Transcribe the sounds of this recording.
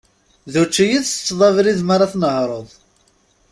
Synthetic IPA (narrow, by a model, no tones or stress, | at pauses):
ðut͡ʃːijiθt͡sːðˤɑvɾiðmaɾˤɑθnəɦɾˤoðˤ